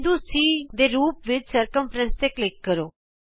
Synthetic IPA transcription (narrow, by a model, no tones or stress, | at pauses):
d̪ũːsiːd̪eːɾuːpʋɪt͡ʃsəɾkə̃mfʰɾɛ̃nst̪eːklɪkːəɾoː